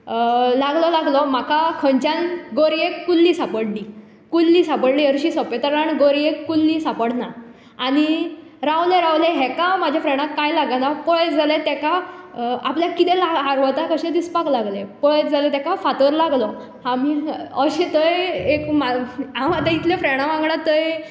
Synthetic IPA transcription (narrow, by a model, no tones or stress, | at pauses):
laɡlɔlaɡlɔm̤akakʰəɲt͡ɕãnɡoɾiekːulːiːsapəɽliː | kulːiːsapəɽliːəɾɕisɔpet̪əɾaɳɡoɾiekːulːisapəɽna | aɽ̃i | ɾawlẽɾawleɦɛkamad͡ʑʱjafɾeɳ̃ãkːajlaɡanapɔɭet͡sd͡zalet̪ɛka | a̰pljakit̪elaɦaɾʋət̪akəɕed̪ispaklaɡlepɔɭet͡sd͡zalet̪akafat̪əɾlaɡlɔ | hãmiəɕet̪əjekmaãwat̪ãit̪ljfɾeɽ̃ãʋãŋɡɳat̪əj